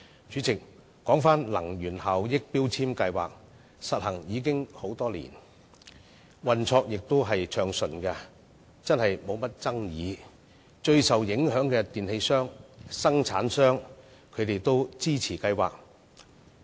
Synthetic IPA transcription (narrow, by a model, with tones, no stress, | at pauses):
t͡ʃyː˨˥t͡sɪ˨k̚ː | ɔː˨˥ŋfaː˥nlɐ̰˨˩ŋɥyː˨˩nhaː˨wjɪ˥k̚piː˥wt͡sʰiː˥mkɐ˧jwa̰ː˨k̚ | sɐ˨t̚hɐ˨˩ŋjiː˨˧k̬ɪ˥ŋho˨˥wt̪ɔː˥lḭː˨˩n | wɐ˨nt͡sʰɔː˧k̚jɪ˨k̚t̪o˥wɦɐ˨jt͡ʃʰœː˨ŋsɵ˨˩nkɐ˧ | t͡sɐ˥nhɐ˨jmo˨˧wmɐ˥t̚t͡sɐ˥ŋjiː˨˧˦ | t͡ʃɵ˧ɥsɐ˨wjɪ˨˥ŋɦœː˨˥ŋkɛ˧t̪iː˨nhe˧jsœː˥ŋsɐ˥ŋt͡sʰa̰ː˨˥nsœː˥ŋ | kʰɵ˨˧t̪e˨jt̪o˥wt͡siː˥t͡sʰiː˨˩kɐ˧jwa̰ː˨k̚